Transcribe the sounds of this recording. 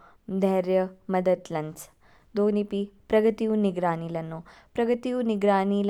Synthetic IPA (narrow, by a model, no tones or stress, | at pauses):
d̪ʱɐɾjɐmɐd̪ət̪lɐns | d̪oːnipipɾɐɡət̪iuniɡɾaːniːlɐnːopɾɐɡət̪iuniɡɾaːniːl